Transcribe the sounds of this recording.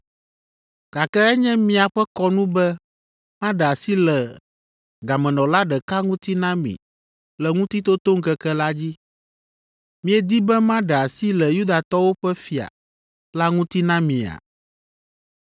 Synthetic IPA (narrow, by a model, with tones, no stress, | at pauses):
ka˨kɛ˦ɛ˦ɲɛ̃˦mĩ˦a˨ɸɛ˦kɔ˦nũ˦bɛ˦ | mã˦ɖɛ˨a˨si˦lɛ˨ | ɡa˨mɛ̃˨nɔ̃˨la˦ɖɛ˨ka˦ŋũ˦t̪i˦nã˦mḭ̃˨ | lɛ˨ŋũ˦t̪i˦t̪o˦t̪o˦ŋ̩˦kɛ˦kɛ˦la˦d͡ʑi˦ | mĩ˦ɛ˦d̪i˦bɛ˦mã˦ɖɛ˨a˨si˦lɛ˨ju˦d̪a˨t̪ɔ˦wo˦ɸɛ˦fi˨a̰˨ | la˦ŋũ˦t̪i˦nã˦mĩ˨a̰˨